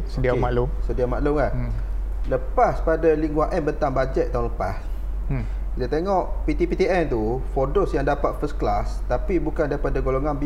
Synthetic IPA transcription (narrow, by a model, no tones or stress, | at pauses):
sədiamalʊŋsədiamaʔlʊŋa | ləpaspadaliŋɡwaʔɛmbənt̪aŋbad͡ʒɛt̪̚t̪ːaũnləpas | it̪at̪eŋɔʔpit̪ipit̪iʔɛnt̪ufɔdosjaŋdapat̪̚fəsklast̪apibukandaɾipadaɡoloŋanb